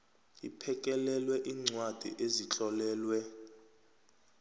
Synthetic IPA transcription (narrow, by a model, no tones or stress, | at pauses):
ipʰɛkʼɛlɛlwɛʔiːŋ͡ǀwad̥ʱḭʔezit͡ɬʼɔlɛːlwɛ